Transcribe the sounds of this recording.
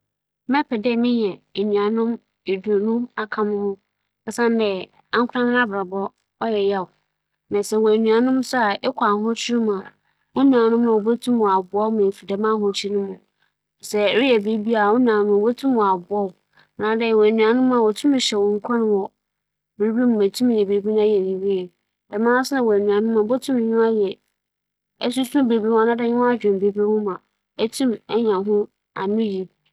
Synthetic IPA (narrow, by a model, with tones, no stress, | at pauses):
mɛ̃˦pʰɛ˨dɛ˦˨mɪ̃˦ɲ˨ɛ̃˨e˨nũ˨a˨nʊ̃˦m | e˨du˨nʊ̃˦a˨kʰã˦mʊ̃˦mʊ̃˦ | ɛ˦sã˦n˦dɛ˨ | ã˦ŋ˦kʰʷʊ˦ã˦mɪ̃˦nã˦bɾa˨bɔ˦ | ɔ˦jɛ˨jɛ˦ʊ˨ | nɛ̃˨sɛ˨wɔ˨e˨nũ˨a˨nʊ̃˦m˦sʊ˦a˨ʔɛ˦kʷʰa˨ɦʊ̃˦t͡ɕʰi˦u˦mã˨ | ʊ˦nũ˨a˨nʊ̃˦mã˨o˨bo˦tʰũ˦mʊ̃˨a˨bʊ˨˦ɔ˦mã˨fi˨dɛ˨mã˦˨hʊ̃˦˨t͡ɕʰi˦nʊ̃˦mʊ̃˨ | sɛ˨ɾɪ˦jɛ˨be˦bi˦a˨ʊ̃˦nã˨nʊ̃˦mã˨bo˦tʰũ˦mʊ̃˨a˨bʊ˨˦ɔ˦˨ | nã˨dɛ˦˨wæ˨nũ˨a˨nʊ̃˦m˦ã˨wɔ˨tʰũ˦m˨ɕɛ˨wɔ̃˨ŋ̩˦kʷʰã˦nʊ̃˦wɔ˨ | bɾbi˦mʊ̃˨æ˨tʰũ˦m˨jɛ˨be˨bi˦ñ˦ã˦jɛ˨nĩ˨ɾi˦ɛ˨ | dɛ˨mã˦sʊ˦nã˨wæ˨nũ˨ã˨nʊ̃˦mã˨bo˦tʰũ˦m˨ɲʊ̃˦a˦jɛ˨ | ɛ˦s̬u˦sbe˨bi˦wa˦nã˦dɛ˦ɲʊ̃˦a˦d͡ʑᶣɛ̃˨m˨be˨bi˦wʊ̃˦mã˨ | æ˦tʰũ˦mɛ˦ɲã˨ɦʊ̃˦ | a˨mɪ̃˦ji˨